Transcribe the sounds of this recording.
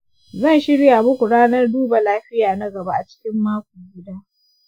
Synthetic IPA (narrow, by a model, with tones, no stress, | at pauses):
zɐ˦˨nʃɪ˦ɽja˨mʊ˦kʷu˨ɽaː˦nɐ˦rduː˦ba˨laː˦ɸɪ˦jaː˨nɐ˦ɡɐ˨ba˦ʔa˨t͡ʃɪ̥˦kʲɪ˦mːaː˦kʷuː˨ɡʲɪ˦daː˦